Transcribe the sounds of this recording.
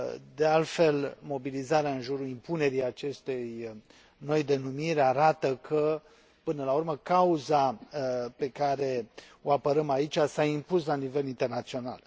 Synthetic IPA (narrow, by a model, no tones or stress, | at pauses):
d̪e̞alt̪fe̞lmo̞bilizaɾeaɨnʒuɾuimpune̞ɾijat͡ʃe̞st̪ej | no̞jd̪e̞numiɾeaɾat̪əkʰə | pɨnəlaurməkauza | pe̞kaɾe̞ | o̞apəɾəmait͡ʃʲasaimpuslanive̞lint̪e̞rnat̪sio̞na̰l